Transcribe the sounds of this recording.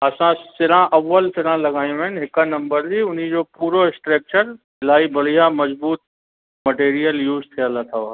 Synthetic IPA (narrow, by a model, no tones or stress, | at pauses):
ɐsãsɪɾãʔɐʋːəlsɪɾãlɐɡaːj̃ũɪnɦɪkənɐ̃mbəɾd͡ʑiʊn̤id͡ʑopuːɾoɪsʈɾeːk̚t͡ɕəɾ | ɪlaːibɐɽ̤ijamɐzbuːt̪̚ | mɐʈeːɾijəljuːzt̪ʰijəlat̪ʰa